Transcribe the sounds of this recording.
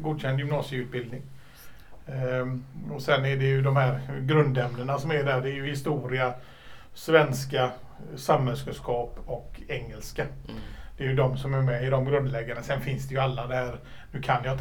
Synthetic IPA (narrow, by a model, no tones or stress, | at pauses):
ɡuːd̪ɕɛnd̪jʏmnɑːsɪʉ̟ːt̪̚bɪld̪nɪŋ | ɔsɛnːæɖɛjɵd̪ɔmhæːɾɡɾɵnd̪ɛmnəɳasɔmæɖæɖɛːjɵhɪst̪uːɾɪa | svɛnska | samːɛlskəʂkʰɑːpɔkɛŋːɛlskad̪̥ɛæjɵd̪ɔmsɔmæɾmɛɪd̪ɔmɡɾɵnd̪lɛɡaɳasɛnfɪnsd̪ɛjɵalːad̪ɛhæːɾ | nʉ̟ːkʰanjɑːt̪